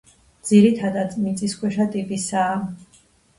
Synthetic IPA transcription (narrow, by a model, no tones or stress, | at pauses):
d̪z̥iɾit̪ʰad̪ad̪ʼmit̪sʼiskʰwɛʃat̪ʼipʼisaː